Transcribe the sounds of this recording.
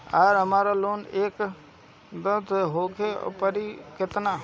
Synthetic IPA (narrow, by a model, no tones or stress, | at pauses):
aɾɦəmaːɾaloːneːk | d̪ət̪ɦokʰḛpəɾikɪt̪na